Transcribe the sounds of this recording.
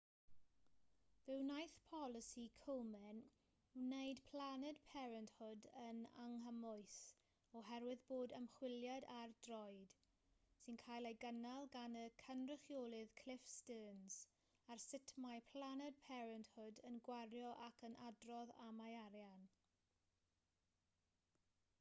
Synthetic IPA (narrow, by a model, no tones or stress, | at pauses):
vɪwnajθpʰɔlˠɪsikʰowmɛn | nejdpʰl̥anɛdpʰɛɾənthʊdəna̰ŋɦəmʊɨθ | ɔɦɛɾwɪðboːdəmχwɪljadardrɔjd̥ | sɨnkʰajlˠeɡənalˠɡanəkʰənrɪχjoːlˠɪðkʰl̥ɪfstəːnz̥ | arsɪtʰmajpʰl̥ˠanɛd̚pʰɛɾənthʊdənɡwarjɔʔakʰənʔadrɔðamajaɾjan